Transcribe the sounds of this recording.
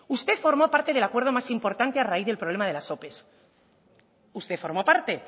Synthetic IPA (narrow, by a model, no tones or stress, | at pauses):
ust̪e̞fo̞ɾmo̞paɾt̪e̞ðelakweɾð̞o̞masimpo̞ɾt̪ant̪e̞araiθðelpɾo̞β̞le̞mað̞e̞laso̞pe̞s | ust̪e̞fo̞ɾmo̞paɾt̪e̞